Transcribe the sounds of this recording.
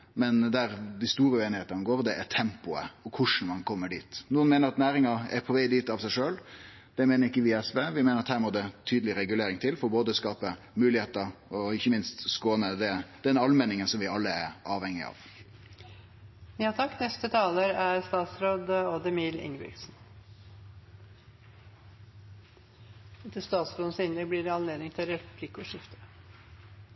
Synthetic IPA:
mɛnd̪æɾd̪ɪst̪uːɾəʉeːnɪeːt̪ənəɡoːɾd̪ɛʔæt̪ʰɛmpʊə̰ɔkʰʊʂn̩mɑnkʰɔmːəɖiːt̪nuːənmeːnəɾɑt̪næːɾɪŋɑɛ̰ɾpʰɔʋæɪd̪iːt̪ɑʋsæɪʂøːl | d̪̥ɛmeːnəɾɪkːəʋɪɛsʋeːʋɪmeːnəɾɑt̪hæːɾmɔd̪ɛt̪ʰyːd̪əlɪɾɛɡʉleːɾɪŋt̪ʰɪlfɔɾboːd̪əskɑːpə | mʉːlɪheːt̪əɾɔɪçːəmɪnst̪skoːnəd̪ɛd̪̥ɛnɑlmɛnɪŋənsɔmʋɪɑlːəæɾʔɑːʋhɛŋːɪɑ̰ʋ | njɑt̪ʰɑkːnɛst̪ət̪ʰɑːləɾæɾst̪ɑːt̪sɾoːd̪oːd̪əmiːlɪ̰ŋɾɪ̰ɡsn | ɛt̪əst̪ɑːt̪sɾoːd̪n̩sɪnəbliːɾɑnleːd̪ɪŋt̪ʰɪlɾɛpʰlɪkʊʂɪft̪ə̥

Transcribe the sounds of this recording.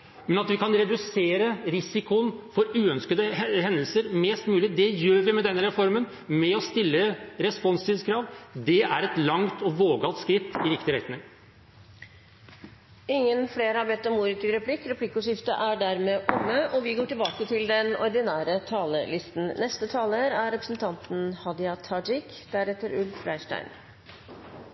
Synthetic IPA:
mɛnɑt̪ʋɪkʰɑnɾɛd̪ʉseːɾəɾɪsɪkʊənfɔɾʉːœnskəd̪əɦɛnd̪lsəɾmɛːst̪mʉːlɪd̪ɛjøːɾʋɪmɛd̪ɛnːəɾɛfɔɾmən | mɛɔst̪ɪlːəɾɛspɔnst̪ʰiːʋskʰɾɑːʋd̪ɛæɾɛt̪lɑŋt̪ɔʋoːɡɑlt̪skɾɪt̪ːɪɾɪkt̪ɪɾɛt̪nɪŋ | ɪŋːənfleːɾɑːʋɛt̪ːɔmuːɾɪt̪ʰɪɾɛpʰlɪkːɾɛpʰlɪkːʊʂɪft̪ə̰ʔæɖæɾmeːʔʊŋːəʔɔʋɪɡoːʈɪlbɑːkət̪ʰɪld̪ɛnɔɾd̪ɪnæːɾət̪ʰɑːlə̰lɪst̪n̩nɛst̪ət̪ʰɑːləɾæɾɾɛpɾəsnt̪ʰɑnt̪n̩hɑd̪ɪɑt̪ʰɑd͡ʒɪk | d̪̥æɾɛt̪əɾʉlfflæɪʂʈæ̰ɪn

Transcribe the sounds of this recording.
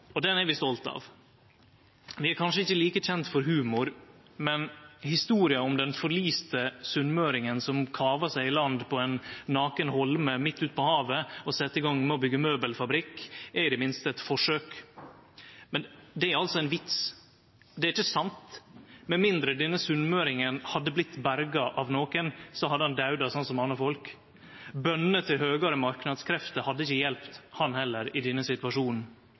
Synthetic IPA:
ɔd̪ɛnɛɾʋɪst̪ɔlt̪ɑ̰ʋ | ʋɪæɾkʰɑnʂəɪçːəliːkəc͡çɛnt̪fɔɾɦʉːmʊɾ | mɛnhɪst̪uːɾɪəɔmd̪ɛnfɔɾɭiːst̪əsʉnmøːɾɪŋənsɔmkʰɑːʋəʂæɪɪlɑnd̪pʰɔɛnːɑːkənhɔlməmɪt̪ːʉːt̪̚pɔhɑːʋəɔsɛt̪ːəɪɡɔŋmɛɔbʏɡːəmøːbəlfɑbɾɪkːɛɾɪd̪ɛmɪnst̪əɛt̪fɔʂøːk | mɛnd̪ɛæɾɑlsɔɛnʋɪt̪s | d̪ɛæɾɪçəsɑnt̪mɛmɪnd̪ɾəd̪ɛnːəsʉnmøːɾɪŋənhɑd̪ːəblɪt̪ːbæɾɡɑʔɑʋnoːkənsɔhɑd̪ːəhɑnd̪ɑʉd̪ɑsɔnt̪sɔmɑnɑfɔlk | bœnət̪ʰːɪlhøːɡɑɾəmɑɾknɑd̪skʰɾɛft̪əɾhɑd̪ːəɪçəjɛlpt̪hɑnhɛlːəɾɪd̪ɛnːəsɪt̪ʉɑʂuːnn̩

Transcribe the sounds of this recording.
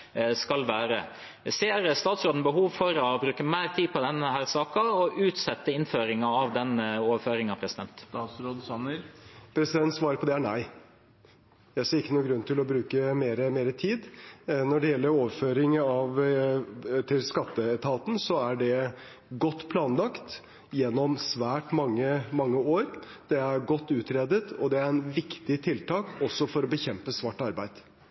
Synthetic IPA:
skɑlʋæːɾə̰ | seːɾst̪ɑːt̪sɾoːd̪n̩əbəɦuːʋfɔɾɔbɾʉːkəmæɪɾt̪ʰiːpɔd̪ɛnhæːɾsɑːkɑɔʔʉːt̪sɛt̪ːəɪnføːɾɪŋɑɑʋd̪ɛnoːʋəføːɾɪŋɑʋpʰɾɛsɪd̪ɛnt̪ːsɾoːd̪ɑnpʰɾɛsɪd̪ɛnt̪sʋɑːɾəɾpʰɔd̪ɛæɳæɪ | jæɪseːɾɪkːənuːɡɾʉnt̪ʰɪlɔbɾʉːkəmeːɾəmeːɾət̪ʰiːd̪nɔɖɛjɛlːəɾoːʋføːɾɪŋɑʋ | t̪ʰɪlskɑt̪ːəɛt̪ʰɑːt̪n̩sɔæɖɛ | ɡɔt̪ːpʰlɑːnlɑkt̪ | jɛnːɔmsʋæːʈmɑŋːəmɑŋːəoːɾd̪̥ɛæɾɡɔt̪ːʉːt̪ɾeːd̪ət̪ɔd̪ɛæɾɛnʋɪkt̪ɪt̪ʰɪlt̪ʰɑːkɔsːɔfɔɾɔbəçɛmpəsʋɑʈːɑɾbæɪd̪̥

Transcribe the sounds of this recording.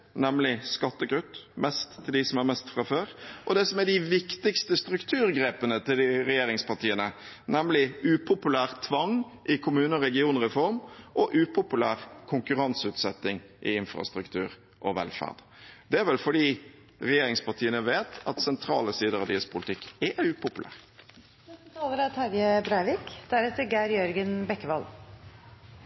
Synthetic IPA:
nɛmlɪskɑt̪ːəɡʁʉt̪ːmʔɛst̪ʰːɪld̪ɪsɔmæɾmɛst̪fɾɑføːɾʔɔd̪ɛsɔmɛɖɪʋɪkt̪ɪkst̪əst̪ɾʉkt̪ʰʉːɾɡɾeːpənət̪ɪld̪ɪɾɛjeːɾɪŋspɑʈʰiːənə | nɛmlɪʉːpʰʊpʉlæːʁt̪ʰʋɑŋ | ʔɪkʰʊmʉːnəɔɾɛɡɪuːnʁɛfɔɾmʔɔʔʉːpʰʊpʉlæːɾkʰʊŋkʉɾɑnsʉːt̪sɛt̪ːɪŋ | ʔɪɪnfɾɑ̰st̪ɾʉkt̪ʰʉːɾ | ʔɔʋɛ̰lfæ̰ːʁd̪̥ | d̪ɛæɾʋɛlfɔɖiː | ɾɛjeːɾɪŋspɑʈ̪ʰiːənəʋeːt̪ʰɑt̪sɛnt̪ʰɾɑ̰ːləsiːd̪əɾɑʋd̪ɪəspʰʊlɪt̪ʰɪkːɛʉːpʰʊpʉlæ̰ːʁ | ɛt̪ʰɑːləɾɑt̪hæɾjəbɾæɪʋɪkd̪̥æɾɛt̪əɾɡæːɾjœɾɡənbɛkːəʋɑl

